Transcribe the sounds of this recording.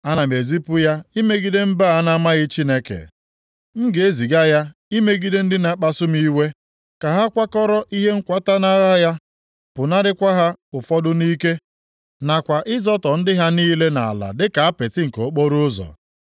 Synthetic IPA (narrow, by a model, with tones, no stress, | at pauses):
a˦na˨m˨e˨zi˦pʊ˦ja˦i˦me˦ɡi˦de˦m̩˦ba˦˨a˦na˦ma˦ɣɪ˦t͡ʃi˦ne˦kḛ˨ | ŋ̩˦ɡe˦zi˨ɡa˦ja˦i˦me˦ɡi˦de˦n̩˦dɪ˦na˨˦k͡pa˦sʊ˦mi˦we˦ | ka˨ɦa˦kʷa˦kɔ˦ɾɔ˦ʔi˦ɦe˦ŋ̩˦kʷa˦ta˦na˦ɣa˦ja˦ | pʊ˨na˦ɾɪ˦kʷa˦ɦa˦ʊ˨fɔ˦dʊ˦niː˦ke˦ | na˨kʷa˨ʔɪ˦zɔ˦tɔ˨n̩˦dɪ˦ɦa˦niː˦le˦na̰˨a̰˨la̰˨dɪ˦ka˨a˦pe˨tɪ˦ŋ̩˨ko˨˦k͡po˦ɾʊ˦ʊ˦zɔ̰˨